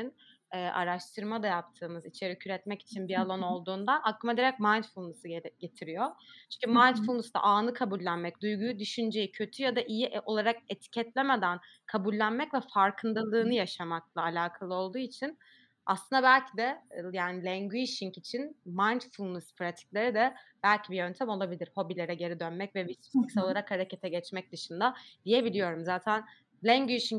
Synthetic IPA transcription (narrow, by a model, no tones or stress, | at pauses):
in | ɛːʔa̰ɾaʃt̪ʰɯɾmad̪ajap̚t̪ʰɯːmɯzit͡ʃʰe̞ɾicʰyɾɛt̪mɛci̥t͡ʃʰinbialˠo̞no̞lˠd̪uːnd̪aʔakːɯmad̪iɾɛc̚majnt̪fulˠnɯsɟe̞t̪ʰiɾijot͡ʃʰyɲcʰymajnt̪fulˠnusd̪a̰ʔaːnɯkʰabulʲːænmɛc̚d̪ujɡujud̪yʃynd͡ʒejicʰøt̪ʰyjad̪aʔijio̞lˠaɾak̚e̞t̪ʰi̥cʰɛt̪lʲeme̞d̪æn | kʰabulʲːænmɛcvɛfaɾkʰɯnd̪alˠɯːnɯjaʃamak̚lˠaːlʲaːkʰalˠɯo̞lˠd̪uːit͡ʃʰin | ʔa̰slˠɯnd̪abælʲcʰid̪ɛjaːnilʲɛɲɡyiʃiŋcit͡ʃʰinmajnt͡ʃfulˠmuspʰɾat̪ʰi̥clʲe̞ɾid̪ɛb̥ælʲcʰibijø̞nt̪ʰæmo̞lˠabilʲiɾ̥ho̞bilʲe̞ɾɛɟe̞ɾid̪ønmɛcvɛvisikso̞lˠaɾakhaɾecʰe̞t̪ʰɛɟɛt͡ʃmɛc̚d̪ɯʃɯnd̪ad̪̥ije̞bilʲijo̞ɾumzaːt̪ʰæn | lʲæɲɟyʃiŋ